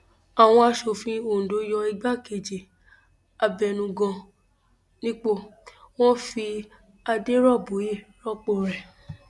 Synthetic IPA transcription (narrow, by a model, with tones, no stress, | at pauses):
a˨w̃ɔ̃˧˦a˧ʃo˨fĩ˧o˨do˨˦jɔ˧i˧ɡ͡ba˦ke˨d͡ʒe˨ | a˧˨bɛ˧˨nũ˧ɡɔ̃˧ | nĩ˦k͡po˦˨ | w̃ɔ̃˦fi˧ | a˧de˦ɾɔ˦˨bo˨˦je˦˨ɾɔ˦˨k͡po˧˨ɾɛ˨